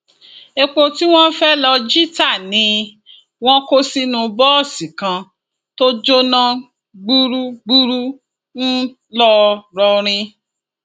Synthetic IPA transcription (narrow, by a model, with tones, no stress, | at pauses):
e˧k͡po˧ti˦w̃ɔ̃˦fɛ˦lɔ˧d͡ʒi˦ta˦˨nĩ˨˧ | w̃ɔ̃˦ko˦si˧nũ˧bɔ˦ɔ˦˨sĩ˨kã˧ | to˦d͡ʒo˦nã˦ | ɡ͡bu˦ɾu˦ɡ͡bu˦ɾu˦ | n̩˦ | lɔ˦ɾɔ˧ɾ̃ĩ˧